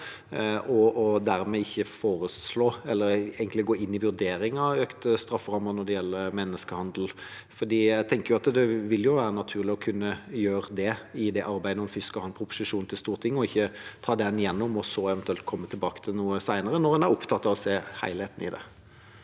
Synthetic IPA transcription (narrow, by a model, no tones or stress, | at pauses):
ʔɔɔd̪æɾmɛɪçːəfoːɾəsloːɛlːəɾɛɡəŋt̪lɪɡoːɪnːɪʋʉʁd̪eːɾɪŋɑøːkt̪əst̪ɾɑfːʁɑmːəʁnɔʁd̪ɛjɛlːəmɛnːəskəhɑnd̪əl̩ | fɔd̪iːjæɪt̪ʰɛŋkəjʊɑt̪d̪ɛʋɪljʊʋæːɾənɑt̪ʰʉːʁlɪɔkʰʉnːəjøːɾəd̪ɛɪd̪ɛʔɑɾbæɪd̪əɔmfʏskəhɑːnpʰɾʊpʊ̥sɪʂuːnt̪ʰɪlst̪uːʁt̪ʰɪŋːɔɪçːət̪ʰɑːd̪ɛnjɛnːʊmɔsɔɛʋɛnt̪ʉɛlt̪̚kʰɔmːət̪ʰɪlbɑːkə̥t̪ʰɪlnuːəsæɪnəɾənɔʁhɑnæɾʊpt̪ʰɑt̪ːɑʋɔseːhæ̰ɪlheːt̪n̩ɪ̰d̪ɛ̰